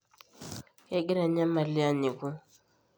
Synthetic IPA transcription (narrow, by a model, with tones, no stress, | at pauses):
e˦ɡi˦ɾa˨ɲa˦ma˨li˦a˦ɲi˨ku˦